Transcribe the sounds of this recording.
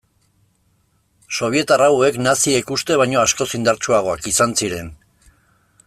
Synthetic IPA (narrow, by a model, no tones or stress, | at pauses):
so̞β̞ie̞t̪arawe̞knasie̞kust̪e̞β̞ajɲo̞asko̞sind̪aɾt͡ʃuaɣ̞o̞akisansiɾe̞n